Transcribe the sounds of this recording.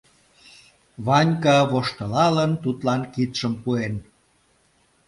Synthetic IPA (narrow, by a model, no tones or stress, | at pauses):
βɑnʲkɑβoʃt̪ə̆lɑlənt̪ut̪lɑnkit̪ʃəmpuen